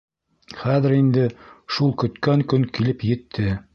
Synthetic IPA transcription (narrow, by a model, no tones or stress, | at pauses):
χæðɘ̆ɾind̪ɘʃulˠkɵ̆t̪kæŋkɵŋkilɘpjɘ̆t̪ʰːɘ